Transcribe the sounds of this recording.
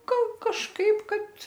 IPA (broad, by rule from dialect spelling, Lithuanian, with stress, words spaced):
ˈɡɐlˠ kɐʃˈkɐɪp ˈkɐt